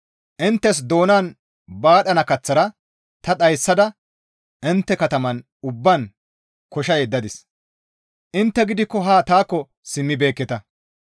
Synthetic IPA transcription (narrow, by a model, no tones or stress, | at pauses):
ʔɪnt̪ːɛs̬d̪o̞ːnaːn | baːɗɐnɐkɐt͡sːɐɾɐ | t̪ɐt̪ɐjsːɐd̪ɐ | ʔɪnt̪ːɛkɐt̪ɐmɐn | ʊbːɐn | kɔʃɐjɛd̪ːɐd̪ɪs | ʔɪnt̪ːɛɡɪd̪ɪkːɔɦaːt̪aːkːɔ | sɪmːɪbe̞ːkːɛt̪ɐ